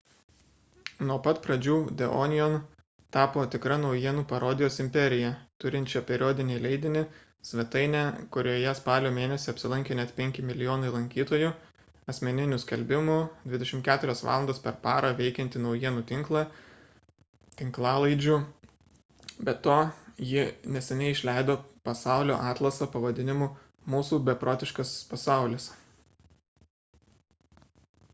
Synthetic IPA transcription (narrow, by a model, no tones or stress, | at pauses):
nuɔpɐt̪pɾɐd͡ʒʲuːd̪ʲɛʔoːnʲɪjon | t̪ɑːpoːt̪ʲɪkɾɐnɒʊjiɛnuːpɐɾoːd̪ʲɪjoːsɪmʲpʲɛɾʲɪjɛt̪ʊɾʲɪnʲt͡ʃʲɛpʲɛɾʲoːd̪ʲɪnʲɛɪlʲɛɪd̪ʲɪnʲɪ | sʲʋʲɛt̪ɐɪnʲɛkʊɾʲoːjɛspɑːlʲoːmʲeːnʲɛsʲɪɐpʲsʲɪlˠɐŋʲkʲɪnʲɛt̪pʲɛŋʲkʲɪmʲɪlʲɪjoːnɐɪlˠɐŋʲkʲiːt̪oːju | ɐsʲmʲɛnʲɪnʲʊsʲkʲɛlʲbʲɪmʊd̪ʲʋʲɪd̪ʲɛʃʲɪmt̪kʲæːt̪ʊɾʲɛsʋɑ̰ːlˠɐnd̪oːspʲɛɾpɑːɾɐʋʲɛɪkʲɛnʲt̪ʲɪnɒʊjiɛnuːt̪ʲɪŋklˠɑ | t̪ʲɪŋklˠɑːlˠɐɪd͡ʒʲu | bʲɛt̪oːjɪnʲɛsʲɛnʲɛɪɪʃʲlʲæɪd̪oːpɐsɑˑʊlʲo̰ːʔɑːt̪lˠɐsɐpɐʋɐd̪ʲɪnʲɪmu | muːsuːbʲɛpɾoːt̪ʲɪʃkɐspɐsɑˑʊlʲɪs